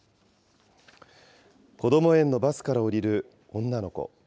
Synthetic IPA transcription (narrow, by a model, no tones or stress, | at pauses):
ko̞d̪o̞mo̞ẽ̞nːo̞basɨ̥kaɾaoɾʲiɾɯ̟ | õ̞nːano̞ko̰